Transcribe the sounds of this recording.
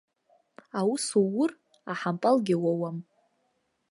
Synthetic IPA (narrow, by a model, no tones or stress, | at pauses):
awusuwʊr | aħampʼalɡʲɪwawam